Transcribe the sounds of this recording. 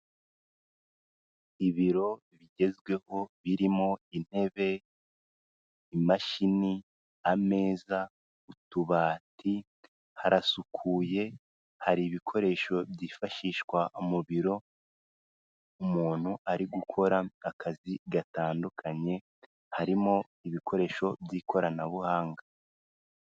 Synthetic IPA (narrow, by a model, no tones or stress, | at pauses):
iβiɾo̞ | βiɟe̞zɡwe̞ho̞βiɾimo̞in̥he̞βe̞ | maʃini | ame̞ːza | utuβaːtʰi | haɾasukʰuːje̞ | haɾiβikʰo̞ɾe̞ːʃo̞bjiːfaʃiːʃkwaumuβiɾo̞ | umuːn̥huaɾiɡukʰo̞ɾaakaziɡataːndukʰaɲe̞ | haɾimo̞ | iβikʰo̞ɾe̞ːʃo̞bjiːkʰo̞ɾanaβuhaːŋɡa